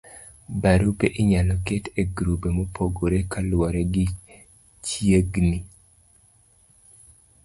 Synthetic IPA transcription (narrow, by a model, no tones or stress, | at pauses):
baɾupeʔɪɲalɔketeɡɾubemopʰoɡoɾekalwɔɾeɡi | t͡ʃjeɡni